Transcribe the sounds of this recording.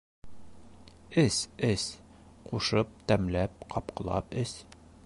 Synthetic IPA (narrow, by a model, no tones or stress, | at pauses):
ɘsɘs | quʃɤp̚t̪æmlæp̚qʰɒp̚qɤ̆lˠɑ̰pɘs